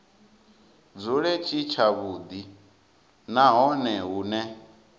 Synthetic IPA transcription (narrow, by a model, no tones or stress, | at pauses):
d͡zuɺɛt͡ʃʰʼit͡ʃʰaβud̪i | naɦɔnɛɦunɛ